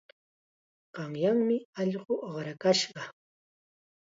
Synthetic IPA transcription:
ɢ̥ɑŋjaŋmɪɑʎɢoʔoχɾakaʃɢɑ

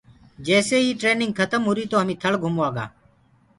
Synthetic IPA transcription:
d͡ʒɛːseːiːʈɾeːnɪŋɡ̚kʰət̪əmɦʊːɾiːt̪oːɦəmĩːt̪ʰəɭɡʱʊmoːaːɡa̰ː

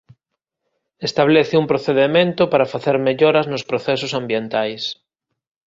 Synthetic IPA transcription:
est̪aβ̞leθeumpɾoθeðemẽnt̪opaɾafaθeɾmeʎoɾɐznospɾoθesosambjent̪ajs

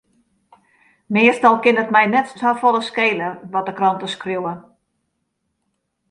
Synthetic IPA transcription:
mɪəstɔlˠkɪnətmɛjnɛttafɔlˠəskeːlərʋɔt̚dəkrɔntəskrjuwə

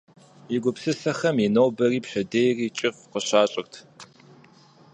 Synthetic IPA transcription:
jɪɡʷʊpsɨsɐxɐminowbɐriːpɕɐdeːjriːt͡ʃʼɪfqəɕaːɕʼɪrtʰ

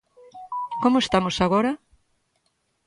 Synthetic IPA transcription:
komʊest̪amosaɣoɾɐ

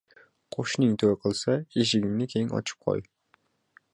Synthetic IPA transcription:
qʰoʃnɨŋt̪ʰøwɪqʰəlˠsɑeʃɪɡʲiŋnɪkʲʰejiŋɑ̰t͡ʃʰɨ̥p̚qʰo̰j

